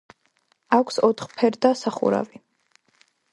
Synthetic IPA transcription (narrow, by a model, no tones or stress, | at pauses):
akʷʰsɔt̪ʰχpʰɛɾd̪asaχṵɾa̰vi